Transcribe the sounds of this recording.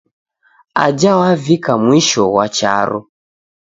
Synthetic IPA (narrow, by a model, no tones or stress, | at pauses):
ad͡ʒawavikamwiʃɔwat͡ʃa̰ɾɔ̰